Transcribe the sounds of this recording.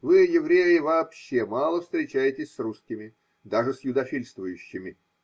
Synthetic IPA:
vɨjɪvɾʲejɪvɐːpɕːemɑlˠəfst̪ɾʲɪt͡ɕæjɪtʲɪsʲsruskʲɪmʲɪ | d̪aʐɨsjʊd̪ɐfʲilʲst̪vʊjʉɕːɪmʲɪ

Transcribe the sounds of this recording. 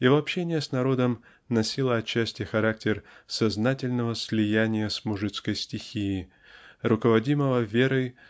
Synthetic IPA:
ɪvoɐpɕenʲɪjəsnɐɾo̞d̪əm | nɐsʲilˠəɐt͡ɕːæsʲtʲɪxɐɾak̚tʲɪrsɐznatʲɪlʲnəvəsʲlʲɪjænʲɪjəsmʊʐɨt̪skəjsʲtʲɪxʲijɪ | rʊkəvɐdʲiməvəvʲe̞ɾəj

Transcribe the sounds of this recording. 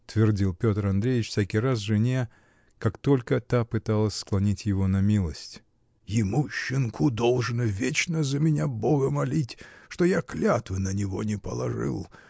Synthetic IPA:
t̪vʲɪrdʲilˠpʲo̞t̪ɾɐnd̪ɾʲeɪt͡ɕfʲsʲækʲɪjras̬ʐɨnʲe | kakt̪o̞lʲkət̪apɨt̪alˠəsʲsklˠɐnʲitʲjɪvo̞nɐmʲilˠəsʲtʲ | jɪmuɕːɪnkʰʊd̪olˠʐɨnəvʲet͡ɕnəzəmʲɪnʲaboɡəmɐlʲitʲʂt̪o̞jaklʲat̪vɨnənʲɪvo̞̰nʲɪpəlˠɐ̰ʐɨ̰lˠ

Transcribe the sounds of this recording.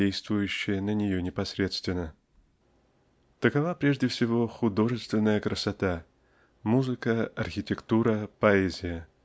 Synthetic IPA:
ejst̪vʊjʉɕːɪjənənʲɪjonʲɪpɐsɾʲe̞t̪st̪vʲɪnːə | t̪əkɐvapɾʲe̞ʐdʲɪfsʲɪvo̞xʊd̪o̞ʐɨst̪vʲɪnːəjəkɾəsɐt̪a | muzɨkəɐrxʲɪtʲɪkt̪uɾəpɐɛzʲɪjə

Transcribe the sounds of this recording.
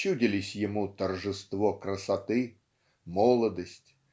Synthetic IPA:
udʲɪlʲɪsʲjɪmut̪ərʐɨst̪vokrəsɐt̪ɨ | mɔlˠəd̪əsʲtʲ

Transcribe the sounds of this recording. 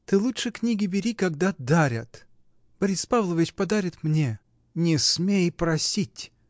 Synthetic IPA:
t̪ɨlˠuʂɨknʲiɡʲɪbʲɪɾʲikɐɡd̪ad̪aɾʲət̪ | b̥ɐɾʲispavlˠəvʲɪt͡ɕpɐd̪aɾʲɪt̪mnʲe | nʲɪsmʲejpɾɐsʲitʲ

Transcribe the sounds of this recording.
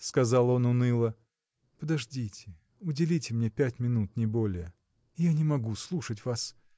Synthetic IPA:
skɐzɑlˠo̞nʊnɨlˠə | pəd̪ɐʐdʲitʲɪ | ʊdʲɪlʲitʲɪmnʲe̞pʲætʲmʲɪnut̪nʲɪbolʲɪjə | ɪjanʲɪmɐɡuslˠuʂət̬ʲvas

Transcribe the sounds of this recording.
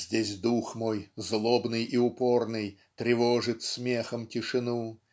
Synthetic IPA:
zʲdʲesʲd̪uxmojzlˠobnɨjʔiʊpo̞rnɨjt̪ɾʲɪvoʐɨt̪sʲmʲexəmtʲɪʂɨnu

